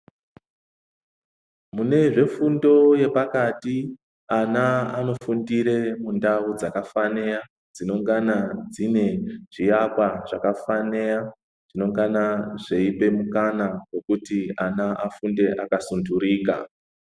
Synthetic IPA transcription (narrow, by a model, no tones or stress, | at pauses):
mune̞ʐe̞fundo̞je̞pakati | anaano̞fundiɾe̞mundaud͡zakafane̞ja | d͡zino̞ŋɡanad͡zine̞ʐ̥ijapwaʐakafane̞ja | ʐ̥ino̞ŋɡanaʐe̞ipe̞mukanawe̞kutianaʔafunde̞ʔakasunduɾiːka̰